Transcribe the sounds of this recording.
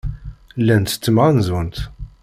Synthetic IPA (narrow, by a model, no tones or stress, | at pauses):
lːænt̪ə̥t͡s̪ːəmʁanzənt̪